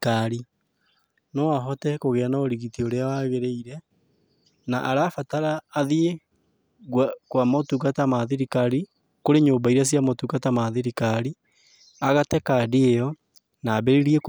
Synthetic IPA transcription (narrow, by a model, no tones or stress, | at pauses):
kaɾi | nɔaɦɔtɛkoɣeanaoɾiɣitioɾeawaɣeɾeiɾɛ | naʔaɾafataɾaːðie | ɣwakwamotukatamaðeɾikaɾi | koɾeɲoːmbaiɾas̬iamotukatamaðeɾikaɾi | aɣatɛkadeejɔ | naːbɛɾeɾiɛ